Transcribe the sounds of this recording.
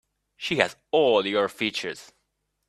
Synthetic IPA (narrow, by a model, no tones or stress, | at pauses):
ʃihæz | ɔlˠjɔɹfit͡ʃə˞z̥